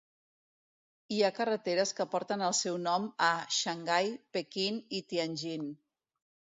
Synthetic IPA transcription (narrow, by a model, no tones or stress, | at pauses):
iakərət̪eɾəskəpɔɾt̪ənəlˠsɛwnɔməʃəŋɡajpekinit̪ianʲʒin